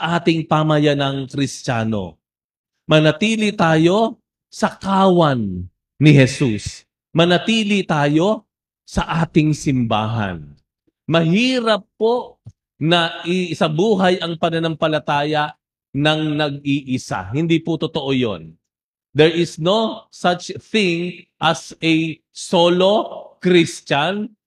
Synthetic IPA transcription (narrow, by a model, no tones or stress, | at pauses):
sɐʔaːt̪ɪŋpamɐjɐnɐŋkɾɪst͡ʃaːno̞̰ | mɐnɐt̪iːlit̪aːjo̞ | sɐkaːwɐnː | ɪɦɛsus | mɐnɐt̪iːlɪt̪aːjo̞ | sɐʔaːt̪ɪŋsɪmba̰ːɦɐ̰n | mɐɦiːɾɐpːo̞ʔ | nɐʔɪʔɪsɐbuːɦɐjɐŋpɐnɐnɐmpɐlɐt̪aːjɐʔ | nɐŋnɐɡ̚iʔɪsa̰hɪnd̪ipʊt̪ot̪oʔojo̰n | d̪ɛɹʔɪsnosat͡ʃθɪŋʔɐsɛ | solokɾist͡ʃɐn